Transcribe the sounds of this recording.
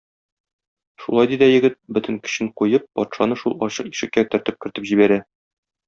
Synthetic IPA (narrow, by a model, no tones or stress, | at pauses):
ʃulˠɑjd̪id̪æjɘ̆ɡɘt̪̚bɵ̆t̪ɘ̆ŋkɵ̥̆ɕɘɴqujɤp̚ːɒt̪ʃɑnɤʃulˠɒɕɤqiʃɘ̆kːæt̪ɵ̆ɾt̪ɘp̚kɵ̆ɾt̪ɘpʑibæɾæ